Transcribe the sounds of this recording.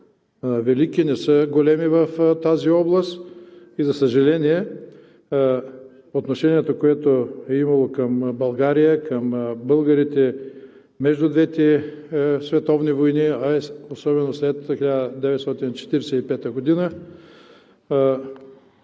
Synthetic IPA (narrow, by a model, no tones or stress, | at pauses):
vɛlikinɛsəɡolɛmivɐft̪aziɔblˠəst̪ | izɐsɐʒɐlɛniɛ | ot̪noʃɛniɛt̪okoɛt̪oɛimɐlˠokɐmbɐlˠɡaɾijəkɐmbɤlˠɡɐɾit̪ɛ | mɛʒd̪ʊd̪vɛt̪ɛ | svɛt̪ɔvnivojniɐɛosɔbɛnoslɛt̪xilʲad̪əd̪ɛvɛt̪st̪ɔt̪int͡ʃɛ̥t̪iɾɛsɛipɛt̪əɡod̪inə